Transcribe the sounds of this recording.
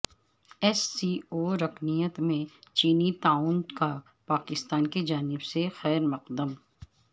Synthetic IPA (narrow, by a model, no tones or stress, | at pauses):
ɛsːiːoːɾɐknijət̪mẽt͡ʃiːnit̪aːʊnka | paːkɪst̪aːnkid͡ʒaːnɪbsexɛːɾmɐqd̪əm